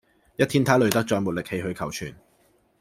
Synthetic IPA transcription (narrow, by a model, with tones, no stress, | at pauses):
jɐ˥t̚t̪ʰiː˥nt̪ʰaː˨˥lɵ˨ɥt̪ɐ˥k̚t͡ʃɔː˧jmuː˨t̚lɪ˨k̚he˧jɦɵ˧ɥkʰɐ˨˩wt͡ʃʰyː˨˩n